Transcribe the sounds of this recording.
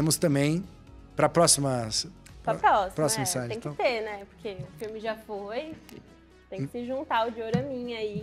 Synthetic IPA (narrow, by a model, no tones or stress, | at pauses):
ẽmʊst̪ɐ̃mbẽj̃ | pɾɐpɾɔsimɐspɾɐpɾɔsipɾɔsɐimɐsad͡ʒ̪ẽj̃tkɐ̃seɾnɛpoɾkʰeʊfimɪʒafoj | t̪ẽj̃kɪ̥sɪʒũnt̪aʊd͡ʒɪoɾɐmĩɲai